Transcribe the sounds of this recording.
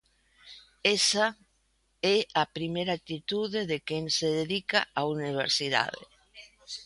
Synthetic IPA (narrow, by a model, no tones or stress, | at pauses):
ɛsa | ɛapɾimejɾat̪it̪uðeðekeŋseðeðika̰auniβ̞ḛɾsiða̰ðḛ